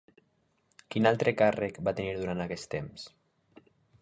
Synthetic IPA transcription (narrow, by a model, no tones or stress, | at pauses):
kinalˠt̪ɾekarekbat̪eniɾðuɾant̪akɛst̪ems